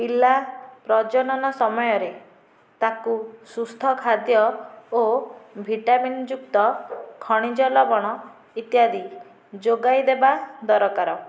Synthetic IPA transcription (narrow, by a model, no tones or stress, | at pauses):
pilapɾɔd͡ʒɔnɔnɔsɔmɔjɔɾe | t̪akusust̪ʰɔkʰad̪jɔobʱiʈamind͡ʒukt̪ɔkʰɔɽ̃id͡ʒɔlɔbɔɽ̃ɔ | it̪jad̪i | d͡ʒoɡajd̪ebad̪ɔɾɔkaɾɔ